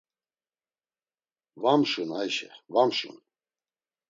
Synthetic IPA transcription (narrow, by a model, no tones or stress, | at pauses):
vamʃunajʃɛvamʃṵn